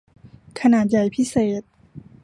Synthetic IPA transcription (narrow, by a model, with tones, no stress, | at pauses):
kʰa˧naː˨˩t̪̚ja˨˩jpʰi˦˥seː˨˩t̪̚